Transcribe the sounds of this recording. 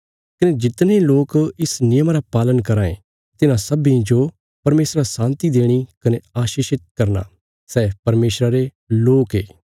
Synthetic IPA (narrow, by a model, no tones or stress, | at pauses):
kɐned͡ʒɪt̪neloːkɪsnɪjəmaɾapaːlənkɐɾaːḛ̃ | t̪ɪnãsɐbĩd͡ʒo | pɐɾmeːsɾasãːnt̪id̪eːɽ̃ikɐneaːʃiːʃɪt̪̚kɐɾna̰ː | sɛːpɐɾmeːsɾaɾe | loːkɦḛː